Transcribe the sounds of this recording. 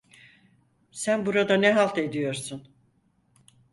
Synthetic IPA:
sænbuɾad̪anɛɦalˠt̪ʰe̞d̪ijo̞ɾsun

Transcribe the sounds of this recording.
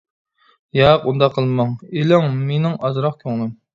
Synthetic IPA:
jɑqund̪ɑqʰːəlˠmɑŋelɪŋmenɪŋɑzɾɑq̚kʲʰøŋlˠɪm

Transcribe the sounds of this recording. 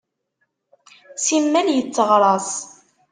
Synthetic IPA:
simːæljət͡sːəʁɾˤɑs

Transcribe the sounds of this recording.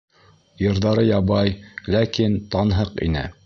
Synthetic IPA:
jɤ̆ɾðɑɾɤjɑβɑjlækint̪ɑnɦɤqḭnɘ̰

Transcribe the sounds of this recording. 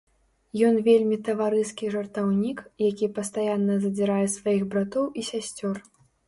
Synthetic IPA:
jɔnvʲelʲmʲit̪ɐvaɾɨskʲiʐɐrt̪awnʲikjakʲipɐst̪ajanːɐzɐd͡zʲiɾajɛsvajiɣbɾat̪ɔwisʲasʲt͡sʲɔr

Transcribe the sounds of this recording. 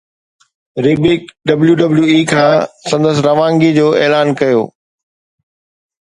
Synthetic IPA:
ɾɪbikɖɐbljuɖɐbljuiːkʰãːsɐ̃nd̪əsɪɾɐʋãːŋɡid͡ʑoːeːlaːnkɐjo̰ː

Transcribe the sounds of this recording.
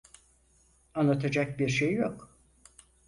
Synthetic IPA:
anlˠat̪ʰad͡ʒak̚biɾʃejːok

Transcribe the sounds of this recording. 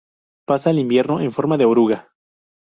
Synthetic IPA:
pasaːlimbje̞ɾnoʔeɱfo̞ɾmaðeoɾuɣa

